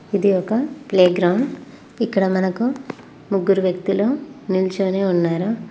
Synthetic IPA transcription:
id̪iɔkɐpleːɡɾɐwɳɖ | ikːɐɽɐmɐnɐku | muɡːuɾuʋjɐk̚t̪iloːnilt͡ʃoːneːunːaːɾu

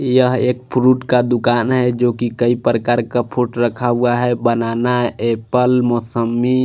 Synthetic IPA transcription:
jəɦeːk̚pʰɾuʈkad̪ʊkaːnɦɛd͡ʒoːkikəipɾəkaɾkapʰuʈɾəkʰauaɦɛbənanaepəlmɔsəmːi

